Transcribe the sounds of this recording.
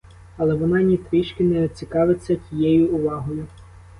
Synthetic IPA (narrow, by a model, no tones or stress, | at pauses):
ɐlˠɛʋɔnɑnʲit̪ɾiʃkɪnɛɔt͡sʲikɑʋet͡sʲːɐtʲijɛjʊːʋɑɦɔjʊ